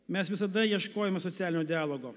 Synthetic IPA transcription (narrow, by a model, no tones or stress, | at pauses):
mʲɛsʋʲɪsɐd̪ɐjiɛʃkoːjɛmʲɛsɔt̪ʲæːlʲɪnʲoːd̪ʲɪaːlˠoːɡoː